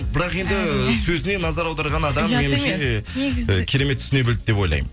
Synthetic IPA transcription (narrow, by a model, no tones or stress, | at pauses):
bɪɾɑqe̞nd̪ɪsɵzɪne̞nɑzɑɾɑwd̪ɑɾʁɑnɑd̪ɑmːe̞nɪmʃe | kʲʰe̞ɾe̞met̪ʰːʏ̥st̪ɪne̞bɪld̪ɪd̪e̞po̞jlˠɑ̰jmə